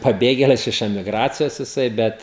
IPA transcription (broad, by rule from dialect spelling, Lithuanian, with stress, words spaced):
pɐˈbʲeːɡʲeːlʲɪs ɪʃ ɛmʲɪˈɡrɑːt͡sʲɪjoːs jɪˈsɐɪ ˈbʲɛt